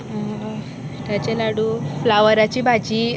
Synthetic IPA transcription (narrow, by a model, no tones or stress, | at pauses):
ɦ | t̪jat͡ɕalaɽuflaʋəɾat͡ɕiːbʱad͡ʑiː